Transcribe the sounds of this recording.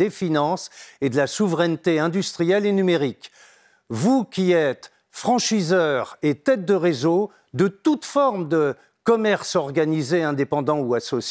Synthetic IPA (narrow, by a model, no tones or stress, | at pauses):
efinɑ̃sed̪əlasuvʁɛnt̪eɛ̃d̪yst̪χijɛlenymeʁik | vukʲiɛt̪ | fχɑ̃ʃizœʁet̪ɛt̪̚d̪əʁezo | d̪ət̪ut̪fɔʁmd̪ə | kɔmɛʁsɔʁɡanizeɛ̃d̪epɑ̃d̪ɑ̃uasɔs